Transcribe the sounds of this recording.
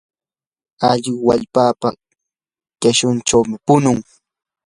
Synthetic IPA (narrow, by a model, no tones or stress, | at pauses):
aʎɪwa̰ʎpaːpa | kaʃʊnʈ͡ʂawmɪpʊnʊŋ